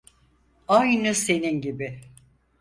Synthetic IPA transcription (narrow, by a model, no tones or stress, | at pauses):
ajnɯse̞ninɟibɪ